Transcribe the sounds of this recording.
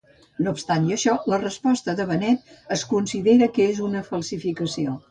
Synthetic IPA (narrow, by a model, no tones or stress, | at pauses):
noːpst̪anəʃɔlərəspɔst̪əðəβənɛt̪̚əskunsiðeɾəkəezunəfəlˠsifikəsio